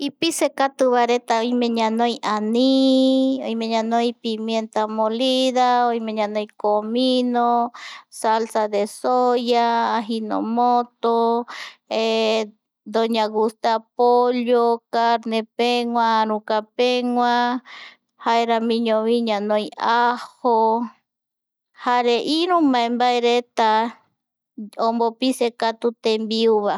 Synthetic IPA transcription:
ipisekat̪ɨβaɾet̪aojmẽɲãnojʔani | o̰imeɲãnojpimjent̪amoliðaojmẽɲãnojkominosalsaðesojaːɦino̰mot̪o | e | d̪oɲaɣust̪eapoʎokaɾnepeŋwãɾũkapeŋwã | haeɾamĩɲõβĩɲãnõĩʔaho | haɾeʔiɾũmãembaeɾet̪a | ombopisekat̪ut̪embiuβa

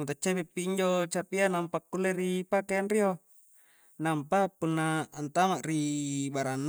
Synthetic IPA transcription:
mut̪at͡ʃːapepːiiɲd͡ʒot͡ʃapianampakːulːeɾipakeanrio | nampapunːaːnt̪amaʔribaɾanː

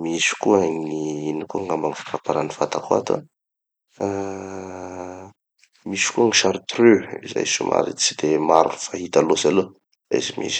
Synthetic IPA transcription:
misi̥kuəŋiinikuəŋambaŋifḁkapaɾanifat̪akua̰t̪a̰ | misi̥kuəŋiʃaɾit̪røiza̰jʃṵmʔa̰ɾḭt͡sid̪emaɾunifaɦit̪alozalo | a̰zimḭzi̥

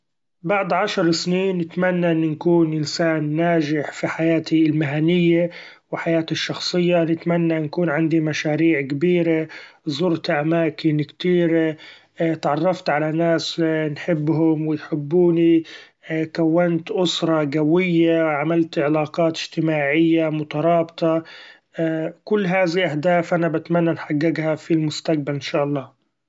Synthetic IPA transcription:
baʕd̪ˤʕaʃɑɾˤsniːnːɪt̪manːaʔɪnːʊnkuːnʔɪnsaːnːaːd͡ʒɪħfiħajaːt̪ʰilmɪɦanɪjːa | wɪħajaːt̪ɪʃːɑxsˤɨjːanɪt̪manːankuːnʕɪnd̪imaʃaːɾiːʕkbiːɾazˤʊɾt̪ʔamaːkɪnkt̪iːɾe | t̪ʕɑrˤːɑft̪ʕalanaːsnħɪbːɦʊmwɪjħɪbːuːni | kawːant̪ʔʊsɾˤɑɡawɪjːaʕamalt̪ʕɪlaːqɑːt̪ɪ̥ʒ̥t̪ɪmaːʕɪjːamʊt̪ɑɾˤɑːbt̪ˤɑ | kʊlːɦaːðiʔahd̪aːfʔanabat̪manːanħaɡːɪɡhafilmʊst̪aq̚balɪnʃaːʔɑlˤːɑː

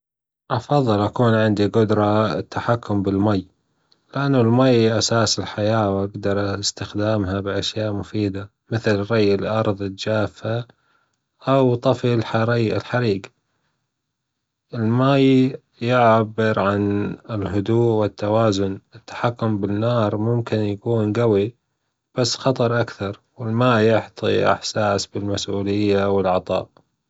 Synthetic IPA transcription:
ʔɑfɑðˤːɨlʔakuːnʕɪnd̪iɡʊd̪ɾˤɑt̪ːaħakʰːʊmbɪlmaj | lɪʔanːʊlmajʔasaːsɪlħajaːwʔaɡd̪ɑɾˤʔst̪ɪxd̪aːmɦabɪʔaʃjaːʔmʊfiːd̪a | mɪθlɾɑjːɪlʔɑɾˤðˤt̪̚d͡ʒaːfa | ʔawt̪ˤɑfilħaɾaːɪlħaɾiːɡ | ɪlmaː | jɪʕbːɪɾʕanɪlɦʊd̪uːʔwɪt̪ːawaːzʊnɪt̪ːḁħakːʊmbɪnːɑːɾˤmʊmkɪnjakuːnɡawi | b̥asːxɑt̪ˤɑɾˤʔakθɑɾˤwɪlmaːjʊħt̪ˤḭʔa̰ħsaːsbɪlmasʔuːlɪjːawɪlʕɑt̪ˤɑ̰ːʔ

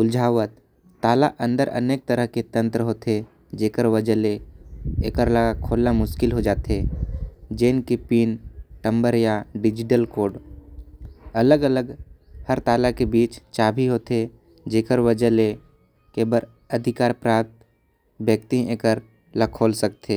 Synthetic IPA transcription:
ʊld͡ʒʱaːwət̪ː | aːlaʔə̰̃nd̪əɾə̰neːk̚t̪əɾəɦket̪ə̃nt̪ɾəɦoːt̪e | d͡ʒeːkəɾʋəd͡ʒəleḛːkəɾlaakʰoːlːamʊʃkɪlɦod͡ʒaːt̪e | d͡ʒeːnkepiːnʈə̃mbəɾjaɖɪd͡ʒɪʈəlkoːɾɖ | ɐləɡələɡhəɾt̪aːlakebiːt͡ʃt͡ʃaːbʱiɦoːt̪e | d͡ʒeːkəɾʋəd͡ʒəle | keːbəɾ | əd̪ʱɪkaːɾpɾaːp̚t̪ | bjək̚t̪iẽːkəɾ | lakʰoːlsək̚t̪eː

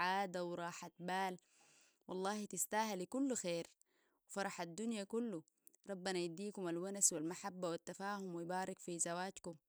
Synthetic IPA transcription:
ʕaːd̪awɾˤɑːħat̪̚baːl | wɑlˤːɑːhit̪ist̪aːhalikulːxeːɾ | wifɑɾˤɑħad̪ːunjakulːu | ɾˤɑbːanajad̪iːkumalwanaswalmaħabːawat̪ːafaːhumwijbaːɾˤikfizawaːt̪kum

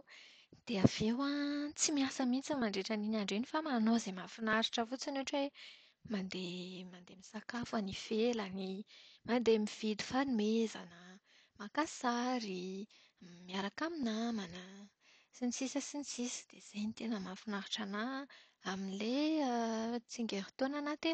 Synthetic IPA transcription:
d̪̥eav̥ewat͡simiasəmint͡səmaɳɖ͡ʐeʈ͡ʂaninaɳɖ͡ʐinifamanozemafinaɾiʈ͡ʂəvut͡sanoʈ͡ʂe | mand̪emand̪emisakafanifelanimand̪emiv̥id̪u̥fanumeza̰nə | makasaɾi | miaɾakaminamana | sint͡sisəsinsisə̥d̪̥ez̥ejnit̪enəmafinaɾiʈ͡ʂana | aminileət͡siŋɡeɾi̥t̪onanat̪en

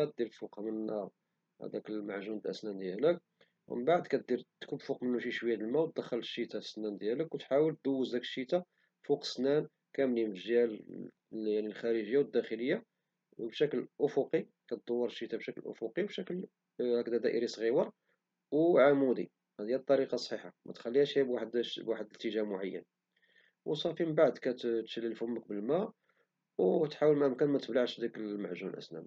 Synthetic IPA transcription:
æt̪̚d̪iɾfuqmənːæ̰ | d̪ækəlmaʕʒunəlʔə̰snænd̪jælək | wməbaʕd̪kæt̪̚d̪iɾt̪kubfuqmənːuʃiʃwəjːæd̪əlmæwt̪̚d̪əxːəlʃːit̪asnænd̪jæləkwət̪ħawəlt̪̚d̪əwːəzd̪ækə̥ʃːit̪a | fuqə̥snæn | kæmlimʒjæl | jaʕnilxæɾəʒəjːawəd̪ːæxələjːa | bʃæklʔʊfuqi | kæt̪̚d̪ˤowːəɾˤʃit̪abʃæklʔʊ̰fuqiwbʃækl | hækd̪æd̪æʔəɾisˤɣiwɑɾˤ | wʕamud̪ḭ | hæd̪ijæb̚t̪ˤːɑɾiqɑsˤħiħamæ̰t̪xælːihæʃæbwaħd̪bwaħəd̪ət̪ːəʒæmʊʕajːə̰n | wsˤɑfiməbaʕd̪kæt̪t̪ʃəlːəlːfhʊmːək̚bəlmæ | wt̪ħawəlmæʔəmkænmæt̪əblaʕʃd̪ækəlmaʕʒunʔə̰snæ̰m

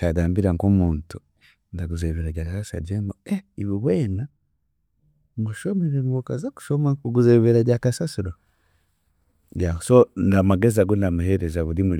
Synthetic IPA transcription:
t͡ʃadaːmbiɾaŋkomuːntu̥ | ndaɡuzeβeɾaɟakasasa̰ɟemoeiβuβweːna | muʃomeɾewukazaku̥ʃomakuɡuzeβeɾaɟakasasiɾo | ɟasondamaɡezaɡonamuheɾezaβulimu

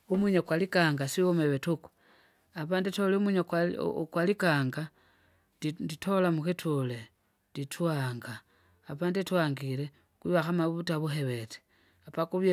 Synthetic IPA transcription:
umiɲokwalikaːŋɡasiomeβetuku̥ | apaːnditoleomwiɲokakwalikaːŋɡa | nditʰolamuxitʰule | nditʰuaŋɡaː | paːnditwaŋɡile | kwiβaxamaβutaβuxeβete̥ | apakuβje

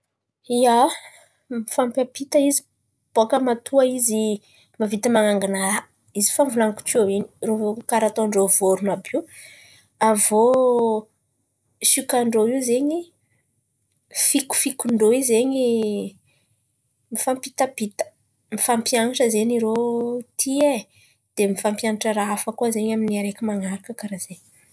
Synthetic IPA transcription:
ia | mifampabit̪aizi | b̥oakəmat̪uaizi | mavit̪amaŋaŋɡana | izi̥famvulaŋku̥ʈ͡ʂiowini̥ruvokaɾat̪oɳɖ͡ʐovoɾunabiw | avo | sukaɳɖ͡ʐoiwzeɲi | fiku̥fikuɳɖ͡ʐoizeɲi | mifampit̪ab̥it̪ə̥ | mifampjaŋaʈ͡ʂəzeniɾot̪ʰie | d̪̥emifampjanaʈ͡ʂəɾaafəkuazeɲaminiaɾekimaŋaɾakəkaɾaze

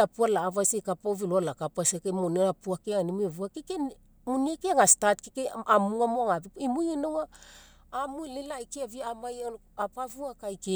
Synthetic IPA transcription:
apualaːvasekapaviloalakapasekemoneɾapuakeaŋanimevuakeke | muniakeaŋastatkekeamuamoaŋabipimujinowaː | mujlelajkeaviamajo | apavuakajke

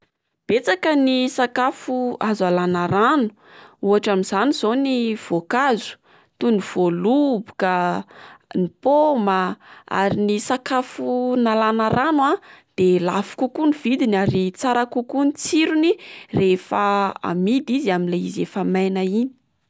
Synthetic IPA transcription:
b̥et͡sakənisakafuazalanaɾanu̥uaʈ͡ʂamiz̥aniz̥oniv̥okazu̥ | t̪unuv̥olubu̥ka | nipoməa̰ɾinisakafunalanaɾanwad̪̥elafu̥kukuniv̥id̪inaɾit͡saɾakukunit͡siɾunirefəa̰mid̪iziaminleizefamajnaini̥

